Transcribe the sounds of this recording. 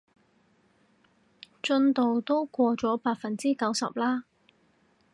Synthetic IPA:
t͡ʃɵ˧nt̪o˨wt̪o˥wkʷɔː˧t͡sɔː˨˥paː˧k̚fɐ˨nt͡siː˥kɐ˨˥wsɐ̰˨p̚laː˥

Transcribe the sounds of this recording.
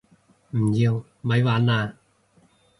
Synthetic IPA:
m̩˨˩jiː˧w | mɐ˨˥jwaː˨˥naː˧

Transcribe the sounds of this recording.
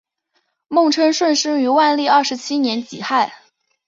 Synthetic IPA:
mʊ˥˧ŋʈ͡ʂʰɤ˥nʂwə˥˧nʂɻ̩˥y˧˥wa˥˧nli˥˧ɐ˞˥˩ʂɻ̩˧˥t͡ɕʰi˥njɛ˧˥nt͡ɕi˨˩xa˥˩ɪ

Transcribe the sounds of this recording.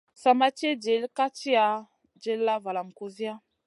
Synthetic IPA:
sa˨ma˦t͡ʃe˦d͡ʒe˨˦lka˦t͡ʃi˦a˨ | d͡ʒe˨˦lla˦va˨la˨m̩˨ko˦zi˦a˦

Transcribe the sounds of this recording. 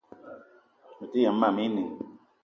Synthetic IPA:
mu˨ti˦ja˨m̩˦ma˨mi˦ni˨ŋ

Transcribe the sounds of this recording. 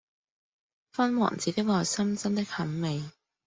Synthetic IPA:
fɐ˥nwɔ̰ː˨˩nt͡siː˨˥t̪ɪ˥k̚laː˨˩sɐ˥mt͡sɐ˥nt̪ɪ˥k̚hɐ˨˥mme˨˩j

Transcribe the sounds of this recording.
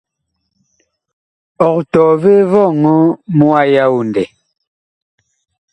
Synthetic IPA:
ɔ˨k̚tɔː˨ve˦vɔ˦˨ŋɔ˦mu˦a˦ja˦wu˨n˨dɛ˨

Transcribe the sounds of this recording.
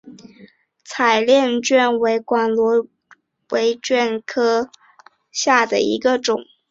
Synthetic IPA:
t͡sʰa˨˩ɪljɛ˥˧nt͡ɕɥɛ˥˩nwe˧˥ɪkwa˨˩nlwɔ˧˥ | we˧˥ɪt͡ɕɥɛ˥˩nkʰɤ˥ | ɕja˥˩d̪ə˩ḭ˧˥ɡə˧ʈ͡ʂʊ˨˩˦ŋ

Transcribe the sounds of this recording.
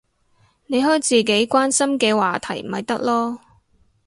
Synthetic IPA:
ne˨˧jɦɔː˥jt͡siː˨˩ke˨˥jkʷaː˥nsɐ˥mkɛː˧waː˨t̪ʰɐ˨˩jm̩˨˩hɐ˨jt̪ɐ˥k̚lɔː˥

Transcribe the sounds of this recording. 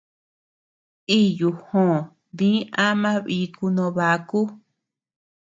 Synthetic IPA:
i˦ju˨hõ˧˨ | βĩ˦ã˦mã˦βi˧˦ku˧nõ˧βa˧˦ku˦

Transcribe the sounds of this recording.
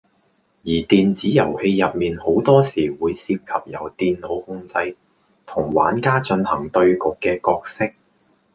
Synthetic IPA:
jiː˨˩t̪iː˨nt͡siː˨˥jɐ˨˩whe˧jjɐ˨p̚miː˨nho˨˥wt̪ɔː˥siː˨˩wuː˨˧jsiː˧p̚kʰɐ˨p̚jɐ˨˩wt̪iː˨nlo˨˧whʊ˥ŋt͡sɐ˧j | t̪ʰʊ˨˩ŋwa̰ː˨˥nkaː˥t͡ʃɵ˧nhɐ̰˨˩ŋt̪ɵ˧ɥkʊ˨kːɛː˧kɔː˧k̚sɪ˥k̚

